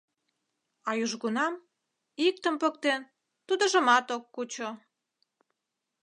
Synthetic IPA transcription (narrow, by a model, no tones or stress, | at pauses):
ɑjuʒɣunɑm | ik̚t̪əmpək̚t̪en | t̪ud̪ə̆ʒə̆mɑt̪okːut͡ɕo